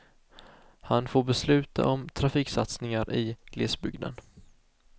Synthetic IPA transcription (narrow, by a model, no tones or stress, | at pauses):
hanfoːɾbɛslʉ̟ːt̪ʰa̰ʔɔmt̪ʰɾafiːksat̪snɪŋaɾʔɪɡ̥leːsbʏɡd̪ə̰n